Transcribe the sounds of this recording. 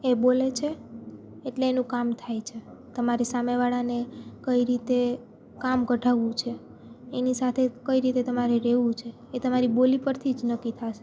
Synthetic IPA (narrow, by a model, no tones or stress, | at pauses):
ebolet͡ʃʰeː | ʈleːnũkamt̪ʰajt͡ʃʰet̪əmaɾesameʋaɭanekəiɾit̪e | kamkəɖʱaʋũt͡ʃʰe | enisat̪ʰekəiɾit̪et̪əmaɾeɾeʋũt͡ʃʰeːt̪əmaɾibolipəɾt̪ʰid͡ʒnəkit̪ʰaʃe